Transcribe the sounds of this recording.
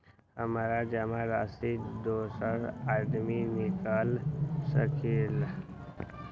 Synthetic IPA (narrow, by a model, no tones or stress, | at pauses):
həmaːɾad͡ʒəmaɾaːst̪id̪oːsəɾaːd̪minɪkəlsəkʰeːl